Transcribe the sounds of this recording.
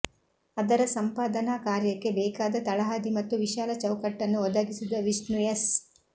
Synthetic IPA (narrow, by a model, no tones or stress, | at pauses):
ɐd̪ɐɾɐsɐmpaːd̪ɐnaːkaːɾjɐkːe̞bɛːkaːd̪ɐt̪ɐɭɐɦaːd̪imɐt̪ːuʋiʃaːlɐt͡ʃɐwkɐʈːɐnːuɔd̪ɐɡisid̪ɐʋisnujɐs